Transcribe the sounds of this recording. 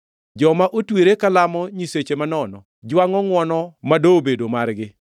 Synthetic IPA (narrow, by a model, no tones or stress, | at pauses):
d͡ʒɔmaʔotweɾekalamɔɲiset͡ʃemanɔnɔ | d͡ʒwaŋɔŋwɔnɔmadoːbedomarɡɪ